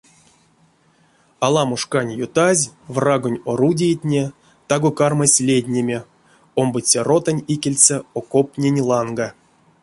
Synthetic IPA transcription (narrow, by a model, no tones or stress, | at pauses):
alˠɑmoʂkanʲjut̪azʲvraɡonʲoɾudʲejt̪ʲnʲe | t̪aɡokarmasʲlʲed̪ʲnʲemʲe | ombɨt͡sʲerot̪anʲikʲelʲt͡sɛokopnʲenʲlˠɑŋɡa